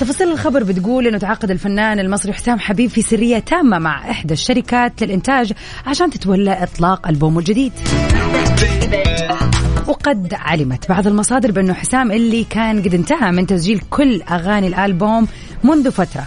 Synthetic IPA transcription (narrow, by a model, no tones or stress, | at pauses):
t̪ɑfɑsˤːiːlɪlxɑbɑɾˤbɪt̪ɡuːlʔɪnːʊt̪ʕɑqːɑd̪ɪlfanːaːnɪlmɑsˤɾiħɪ̥saːmħabiːbfisɪrːɪjːat̪ʰaːmːamaʕʔɪħd̪aʃːaɾɪkaːt̪lɪlʔɪnt̪aːd͡ʒ | ʕaʃaːnt̪ɪ̥t̪walːaʔɨt̪ˤlɑːqalboːmɪld͡ʒɪd̪iːd̪ | wɪqɑd̪ʕa̰lɪmat̪bɑʕðˤɪlmɑsˤɑːd̪ɪɾbɪʔɪnːʊħɪsaːmʔɪlːikaːnɡɪd̪ɪnt̪ahamɪnt̪asd͡ʒiːlkʰʊlːʔaɣaːnilʔalboːmː | ʊnðufat̪ɾˤɑ